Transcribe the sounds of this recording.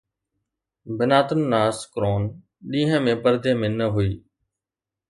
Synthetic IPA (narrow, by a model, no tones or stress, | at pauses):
bɪnaːt̪ənːaːskɾoːn | ɗĩːɦə̃mẽːpəɾd̪ʱeːmẽːnəɦʊiː